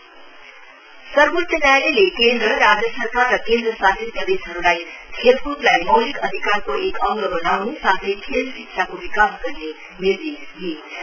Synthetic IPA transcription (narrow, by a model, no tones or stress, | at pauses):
sʌɾɡut̪ːənjajlelekend̪ɾəɾad͡zəsəɾkarːʌkend̪ɾəsat̪ʰit̪jʌbesɦʌɾulajt̪ʰelkut̪lajmʌwlikʌd̪ʱikaɾkoʔekʌ̃ŋɡəbonamũsat̪ʰetʰelsiksʰakoʋikaːsɡʌɾne | niɾd̪isɦie